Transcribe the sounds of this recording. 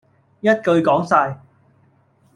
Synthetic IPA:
jɐ˥t̚kɵ˧ɥkɔː˨˥ŋsaː˧j

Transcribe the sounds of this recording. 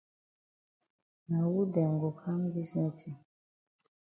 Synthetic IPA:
na˨wu˦dɛ˨ŋɡo˨ka˦m˦ɡi˦sɛ˦tʰi˨

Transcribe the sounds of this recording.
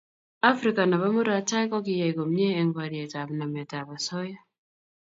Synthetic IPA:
a˦fɾika˨na˨βa˦mu˦ɾa˨ta˦ikɔ˦ki˦ja˨iko˨mjeː˦ŋɡwaɾje˨ta˨βna˨me˨ta˨βa˨soja˦

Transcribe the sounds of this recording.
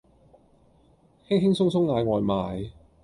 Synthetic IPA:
hɪ˥ŋɦɪ˥ŋsʊ˥ŋsʊ˥ŋŋaː˨˧jŋɔː˨˧jmaː˨˧j

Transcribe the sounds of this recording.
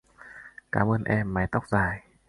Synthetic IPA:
kaː˨˦mʔəː˧nʔɛ˧mːa˨˩jt̪a˦˥wk͡p̚zaː˨˩j

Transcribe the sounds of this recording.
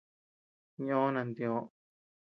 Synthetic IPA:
ɲ˦õː˦nã˧˨nd̪ĩ˧õ˨˦

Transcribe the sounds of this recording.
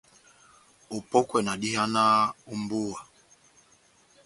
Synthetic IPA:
u˨pɔ˦kwɛ˨na˨ɗi˦ha˦na˦u˦mbu˦a˨

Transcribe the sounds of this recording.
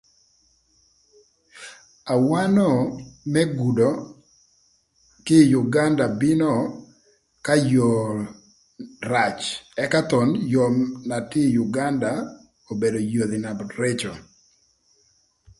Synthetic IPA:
a˨wa˦nɔ˦˨mɛ˦ɡu˨dɔ˨ | kɪ˦ju˨ɡa˦nda˨bɪ˦nɔ˦˨ | ka˦jo˨ | ɾa˨t͡ʃɛ˦ka˦t̪ɔ˨njo˨mna˨tɪ˦ju˨ɡa˦nda˨ | o˨be˨do˨jo˨ði˨na˨ɾe˦t͡ʃɔ˨

